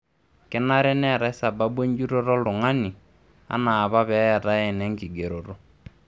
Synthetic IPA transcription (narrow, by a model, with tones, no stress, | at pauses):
kɪ˦na˦ɾɛ˦nɛ˦˨ɾa˨˦ɪ˦sa˨ba˦bwe˦ɲd͡ʒu˦ɾo˦ɾɔ˦lʊ˨ŋa˦ni˨ | a̰˦naː˨βa˦βɛ˨˦a˨ta˦ɛ˦˨nɛ˦ŋkɪ˨ɡe˨ɾo˨ɾo˨